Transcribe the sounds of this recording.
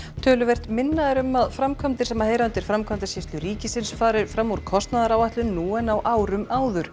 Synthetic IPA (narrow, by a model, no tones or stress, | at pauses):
t̪ʰœːlʏvɛr̥t̪mɪnːaðɪɾʏmaðfɾamkʰamt̪ɪɾ̥sɛmːaheːjɾaʏnt̪ɪɾ̥fɾamkʰamt̪asjɪst̪lʏɾiːcɪsɪnsfaːɾɪɾfɾamːuɾ̥kʰɔst̪naðaɾawajht̪lʏnnːuɛnawʔaːwɾʏmaːwðʏɾ̥